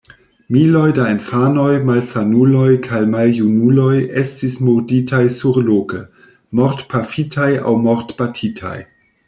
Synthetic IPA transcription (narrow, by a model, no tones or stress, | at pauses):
milo̞jdaenfano̞jmalsanulo̞jkʰajmaljunulo̞jestismuɾditʰajsuɾlokə | moɾtpʰafitʰaja̰wmoɾtb̥atʰitʰa̰j